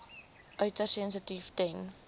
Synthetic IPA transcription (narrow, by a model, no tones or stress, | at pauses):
ʔœɥtərsɛnsətiftɛŋ